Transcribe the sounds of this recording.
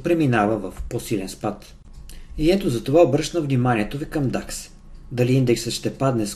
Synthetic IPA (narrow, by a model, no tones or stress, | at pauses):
pɾɛminavəvəfposilɛnspat̪ | iɛt̪ozɐt̪ovaobɾɤʃnəvnimanʲiɛt̪ovikɐmd̪aks | d̪ɐliind̪ɛksət̪ʃt̪ɛpad̪nɛs